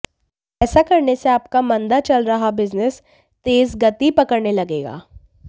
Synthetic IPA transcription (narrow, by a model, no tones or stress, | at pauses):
ɛːsakɐɾneseaːpkamɐ̃nd̪at͡ʃɐlɾɐɦabɪznɪs | t̪eːzɡɐt̪ipɐkəɾnelɐɡeːɡa̰ː